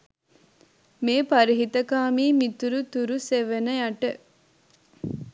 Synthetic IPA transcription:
meːpɐɾiɦit̪ɐkaːmiːmit̪uɾut̪uɾuseʋenəjɐʈə

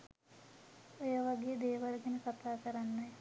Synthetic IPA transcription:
ojəʋaɡejəd̪eːʋalɡɛnəkat̪aːkəɾanːaj

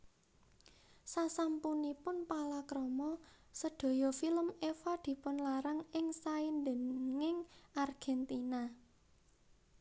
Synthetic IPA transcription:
sasampunipʊnpalakɾɔmɔ | səɖ̪̥o̤jɔfiləmefad̪̥i̤pʊnlaɾaŋɪŋsaɪnd̪ə̤nŋɪŋʔarɡ̥ɛnt̪ina

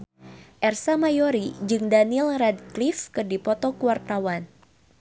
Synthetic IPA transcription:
ʔɛrsamajoɾid͡ʒɨŋdanilrad̚klifkɨrdipɔt̪ɔkuwart̪awan

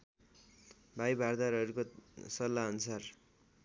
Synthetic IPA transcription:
bʱajbʱard̪aɾʌɾukosʌlːaʌnusar

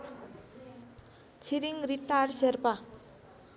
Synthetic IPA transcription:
t͡sʰiɾiŋriʈːarserpa

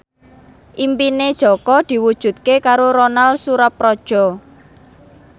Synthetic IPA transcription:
ʔimpined̥ʒ̥ɔ̤kɔd̪̥i̤wud̥ʒ̥ṳt̪̚kekaɾoɾonalsuɾap̚ːrɔd̥ʒ̥ɔ̤

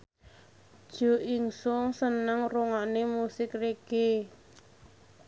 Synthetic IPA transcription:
dd̥ʒ̥o̤ʔiŋsʊŋsənəŋruŋanemusɪkreɡ̥e

